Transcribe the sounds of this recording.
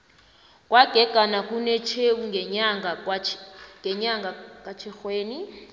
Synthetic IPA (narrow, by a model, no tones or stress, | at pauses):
kʼwaɡ̥ʱɛɡ̥ʱanak̬ʼunɛt͡ʃʰewuŋʱaŋa | ŋɡɛɲaŋɡʱakʼat͡ʃʰɛxweːni